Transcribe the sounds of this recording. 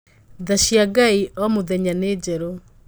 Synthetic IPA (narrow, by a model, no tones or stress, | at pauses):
ðaʃjaɡaiɔmoðɛɲaned͡ʑɛɾo